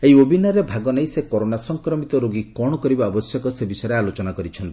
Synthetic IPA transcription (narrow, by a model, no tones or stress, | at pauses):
eɦiobʱinaɾebʱaɡɔnejsekɔɾonasɔŋkɾɔmit̪ɔɾoɡikɔɽ̃ɔkɔɾibaɔbɔsjɔkɔsebisɔjeɾealot͡ʃɔnakɔɾit͡ʃʰɔnt̪i